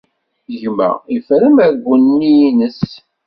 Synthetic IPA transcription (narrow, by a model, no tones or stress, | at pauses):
ʝmæ̰ifɾəmæɾɡʷːənːijnəs